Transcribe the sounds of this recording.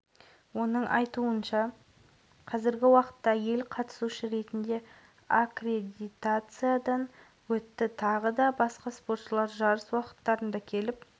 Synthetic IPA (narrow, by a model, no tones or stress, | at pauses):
wo̞nəɴʔɑ̰jt̪uənʃɑ | qʰɑzɪɾɡʲɪwɑqə̥t̪ːɑje̞lqʰɑt̪ə̥suʃəɾe̞t̪ɪnd̪e̞ | akre̞d̪ʲit̪at̪sɨjad̪ɑn | wɵt̪ːɪt̪ʰɑʁəd̪ɑbɑsqɑspo̞ɾt̪ʃəlˠɑɾʒɑɾəswɑqə̥t̪ːɑɾənd̪ɑkʲʰe̞lɪp̚